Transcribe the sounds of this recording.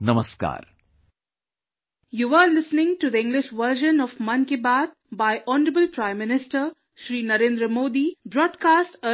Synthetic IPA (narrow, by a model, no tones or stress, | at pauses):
nɐməska̰ːɾ | juːʋəɾlɪsnɪ̃ŋʈud̪əɪ̃ŋɡlɪʃʋəɾʒə̃nɔʋmɐ̃nkɪbaːt̪̚ | baɪʔɔːnəɾəbəlpɾãɪ̃mːɪnɪsʈəɾ | ʃɾiːnɐɾẽːnd̪ɾəmoːd̪ibɾɔːɖkaːsʈə